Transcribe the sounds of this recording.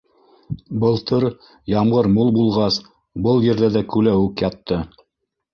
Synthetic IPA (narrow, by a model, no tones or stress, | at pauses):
bɤ̆lˠt̪ʰɤɾ | jɑmʁɤɾmulˠbulˠʁɑs | bɤlˠjɘ̆ɾðæðækʉlæʉkjɑt̪ːɤ